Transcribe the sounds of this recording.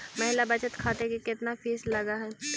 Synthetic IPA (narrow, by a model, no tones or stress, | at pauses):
mɐɦɪlabɐt͡ʃət̪kʰaːʈ̪ekekɪt̪nafiːslɐɡaɦɛː